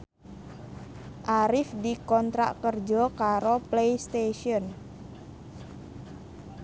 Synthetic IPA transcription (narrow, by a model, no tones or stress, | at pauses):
ʔaɾɪfdikɔnt̪ɾa̰ʔkərd͡ʒɔkaɾoplejst̪eʃiɔn